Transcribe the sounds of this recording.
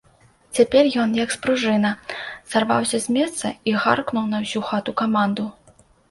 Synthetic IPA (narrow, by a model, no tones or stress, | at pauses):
t͡sʲapʲɛrjɔnjɐkspɾuʐɨnɐz̥arva̰wsʲɐzʲmʲɛst̪sɐiɣa̰rknuwnɐwsʲuxat̪ukamand̪u